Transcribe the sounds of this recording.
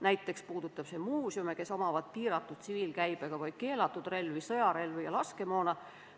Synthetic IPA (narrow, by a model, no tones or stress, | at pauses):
næjt̪ːˑe̞kspuːd̪̥ut̪ːˑɑb̥se̞muːsjumeke̞so̞mɑvɑt̪̚piːɾɑt̪ːˑud̪̥̚t̪siviːlkæjb̥eɡ̥ɑvɑj̥̚ke̞ːlɑt̪ːˑud̪̥re̞lvisɤ̞jɑɾe̞lvijɑlɑske̞mo̞ːnɑ